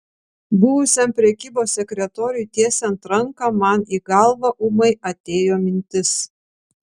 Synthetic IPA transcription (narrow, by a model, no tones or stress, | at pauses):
bʊʋʊsʲɛmpʲɾʲɛkʲiːboːsːʲɛkʲɾʲɛt̪oːɾʲjʊt̪ʲiɛsʲɛnt̪ɾɐŋkɑmɐniːɡɐlˠʋɐʔʊmɐɪɐt̪ʲeːjoːmʲɪnʲt̪ʲɪs